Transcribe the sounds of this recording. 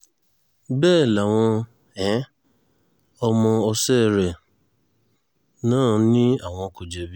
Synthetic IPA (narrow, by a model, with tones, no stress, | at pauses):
bɛː˦˨la˨w̃ɔ̃˧ | ɛ˨˦ | ɔ˧mɔ̃˧ɔ˧se˦˨ɾe˨ | nãː˦˨˦nĩ˦a˨w̃ɔ̃˧˨˦ko˨d͡ʒe˨bi˦